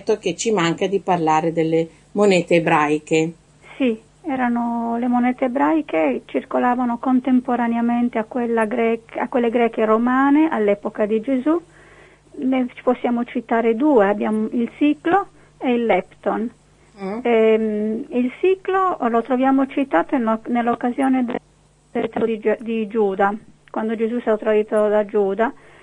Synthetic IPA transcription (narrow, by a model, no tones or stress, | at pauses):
t̪ːoket͡ʃimaŋkad̪iparlaːɾed̪elːe | monɛːt̪eːbɾajke | si | ɛːɾanolemonɛːt̪eːbɾajket͡ʃirkolaːvanokont̪empoɾaneament̪eakːwelːaɡɾɛːkakːwelːeɡɾɛːkeromaːneʔalːɛːpokad̪id͡ʒezu | net͡ʃi̥posːjaːmot͡ʃit̪aːɾed̪uːeabːjaːmoilsiːklo | ɛilːɛpt̪on | ɛ | ilsiːklolot̪ɾovjaːmot͡ʃit̪aːt̪onnelːokːazjɔːned̪ | d̪ɛt̪ɾoid̪id͡ʒuːd̪a | kwand̪od͡ʒezusɛat̪ːɾad̪iːt̪od̪ad͡ʒuːd̪a